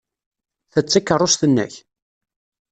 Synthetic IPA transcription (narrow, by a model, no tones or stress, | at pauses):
θət͡sːakːərˤːost̪ənːæ̰ç